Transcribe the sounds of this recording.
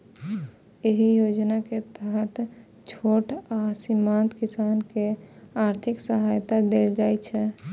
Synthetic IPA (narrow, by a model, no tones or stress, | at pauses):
eɦijod͡ʒnaket̪əɦət̪ | t͡ʃʰoʈasimant̪kisankeaɾt̪ʰiksəɦajt̪ad̪eld͡ʒajt͡ʃʰɛ